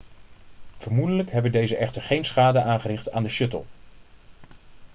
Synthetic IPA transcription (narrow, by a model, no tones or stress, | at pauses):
v̥əɹmudələkɦɛbəndejzəʔɛχtəɹχejnsχaːdəʔaːnχərɪχta̰ːndəʃɵtə̰lˠ